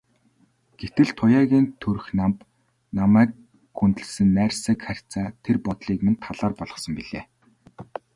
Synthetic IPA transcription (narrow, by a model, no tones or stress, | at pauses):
ɡ̥et̪ɘ̆ɮt̪ʰʊjaːɣʲiːnt̪ʰɵɾ̆xnamp | namæːk̚ | xunt̪ɘ̆ɮsɘ̆nːæːrsæːkχær̥ʲt͡saːt̪ʰerpɔt̪ɮiːkmɘ̆nt̪ʰaɮaːrpɔɮɞ̆χsɞ̆mpiɮeː